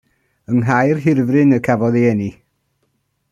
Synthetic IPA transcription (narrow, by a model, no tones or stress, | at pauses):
əŋɦajrɦɪrvrɪnəkʰavɔðeɛni